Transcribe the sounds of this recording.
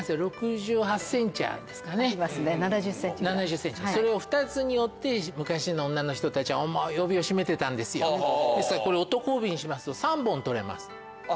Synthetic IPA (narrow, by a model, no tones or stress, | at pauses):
sɨɾo̞kɯ̟ʑɨːɦasːẽ̞ɲt͡ɕia̰nd̪e̞sɨ̥kane̞snnaasẽnanaʑɨsːẽ̞ɲ̟t͡ɕiaso̞ɾe̞o̞ɸɯ̟̥t̪at͡sɨɲ̟ijo̞t̪ːe̞mɯ̟kaɕinoõnːano̞çi̥t̪o̞t̪at͡ɕiβaomojo̞bʲio̞ɕime̞t̪e̞t̪ãnd̪e̞sɨjod̪esɨ̥kaɾako̞ɾe̞o̞t̪o̞ko̞ːbʲiɲ̟iɕimasɨ̥t̪o̞sãmbõ̞nt̪o̞ɾe̞̰ma̰sɨ̥